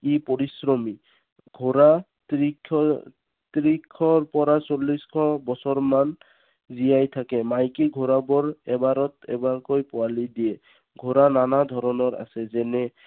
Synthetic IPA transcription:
ipoɹisɹɔmi | ɡʱoɹa | tiɔ | t̪ɾikʰɔɹpɔɹasolːiskʰɔbɔsɔɹman | zijajtʰakɛmajkiɡʱoɹabɔɹɛbaɾɔt̪ɛbaɹkojpʊalidijɛ | ɡʱoɹananad̪ʱɔɾɔnɔɹa̰sɛzɛnɛ

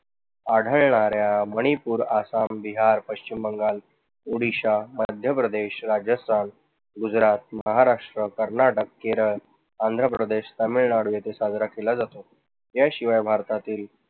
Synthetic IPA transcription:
aɽ̤ʱəɭɳaɾjaməɽ̃ipuːɾasambiɦaɾpəɕt͡ɕimbəŋɡal | uɽiɕaməd̪ʱjəpɾəd̪eɕɾad͡ʑəst̪ʰan | ɡud͡zɾat̪̚məɦaɾaʂʈɾəkəɾnaʈəkːeɾəɭ | and̪ʱɾəpɾəd̪eɕt̪əmiɭɳaɽujet̪esad͡zɾakelad͡zat̪o | ɦjaɕiʋajbʱaɾt̪at̪iːl

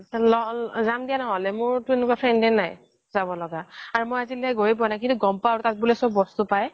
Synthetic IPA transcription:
lɔzamdijanɔɦɔlɛmʊɹtʊenʊkapʰɹɛndɛnaj | z̥abɔlɔɡaaːɹumojazilɛɡoɹip̬ɔnakintuɡɔmpaɹtat̚bulɛsɔbbɔstupaj

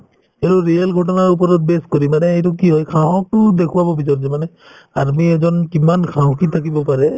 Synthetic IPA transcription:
eɹuɹialɡʱɔʈɔnaɹup̬ɔɾɔt̚beskoɹimanɛejtʊkiɦɔjkʰaɦɔ̃k̚tʊdekʰuwabɔbʱitɔɹzɛmanɛ | aɾmiɛzɔnkimankʰaɦɔ̃kitʰakibɔpaɹɛ

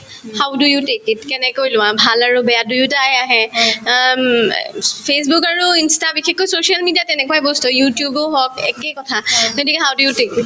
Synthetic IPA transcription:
hawdujutekitkɛnɛkojlʊ̃wãbʱalaɹubɛjadujʊtajaɦɛ | pʰes̬bukaɹuinstabixʰɛkːojsoʃialmidijatɛnɛkɔwaɛbostujutijuboɦɔkɛ̰kekɔtʰaɡotikɛɦawdujutekit

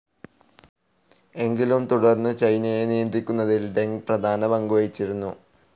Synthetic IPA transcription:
e̞ŋɡilumt̪uɽɐrnːɨt͡ɕɐjnɐjenijɐnd̪rikʲːunːɐðilɖe̞ŋɡprɐd̪ʱaːnɐbɐŋɡuʋɐjit͡ɕːiɾunːu

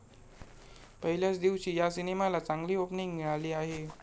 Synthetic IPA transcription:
pəɦiljat͡sd̪iʋt͡ɕiːjasinemalat͡saŋɡliːopniŋɡɡiɭaliːaɦe

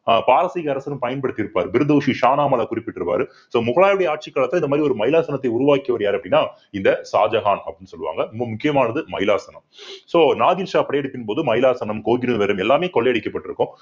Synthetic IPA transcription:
apaːɾɐsiɣɐɐɾɐsɐlɯ̃mpɐjɐnpɐɽɯt̪ːɪɾɯpːa̰ːɾɯbɪɾɯd̪oːʂiʂaːnaːmɐɭɐkʊɾɪpːɪʈːɪɾɯpa̰ːɾɯ | soːmʊɣɐɭaːɾɐɽɐjɐaːʈ̚t͡ʃikːaːɭɐt̪ːɯlɐndɐmaːd̪ɾiɔɾɯmɐɪlaːsɐnɐt̪ːɐɪʊɾʊʋaːkːɐʋɐɾjaːɾɐpːɐɽɪnːaː | ɪnd̪ɐsaːd͡ʒɐɣaːnɐ̰pːɽɪnːɯsɔlːɯʋa̰ːŋɡɐnɐmbɐmʊkːɪjɐmaːnɐðɯmɐ̰jɪlaːsɐnɐmsoːnaːðɪnʂaːɐpɐɽɐjɛɽɯpːɪnpoːðɯmɐjɪlaːsɐnɐmkoːɡɪɾɯʋɐɾɯmɛlːaːmeːkɔɭːɐjɐɽɪkːɐpːɐʈːɪɾɯkːʊ̃

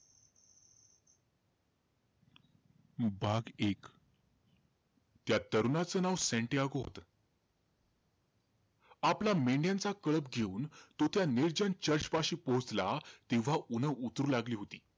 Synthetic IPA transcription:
baɡek | t̪jat̪əɾunat͡sənaʋseɳʈeaɡoɦo̰t̪ə | aplameɳɖjãnt͡sakəɭəpɡʱeuːnt̪ot̪janiɾd͡ʑənt͡ɕəɾt͡ɕpaɕiːpot͡slat̪eʋ̤aunəut̪ɾuːlaɡliːɦot̪iː

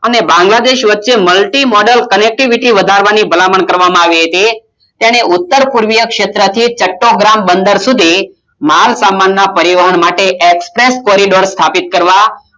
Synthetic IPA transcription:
ənebãŋɡlad̪eʃʋətːʃeməlʈimɔɖəlkənek̚ʈiʋiʈiʋəd̪ʱaɾʋanibʱəlaməɳkəɾʋamãaʋiɦət̪i | t̪jaɽ̃eʔʊt̪ːəɾpuɾʋijəkʃet̪ɾət̪ʰit͡ʃəʈːoɡɾambənd̪əɾsud̪ʱi | malsamanːapəɾiʋəɦənmaʈeʔekspɾeskɔɾiɖoɾst̪ʰapit̪̚kəɾʋa

